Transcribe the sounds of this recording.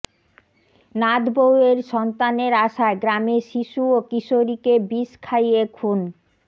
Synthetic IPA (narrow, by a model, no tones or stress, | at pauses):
nad̪boweɾʃɔnt̪aneɾaʃaeɡɾameʃiʃuokiʃoɾikebiskʰajekʰun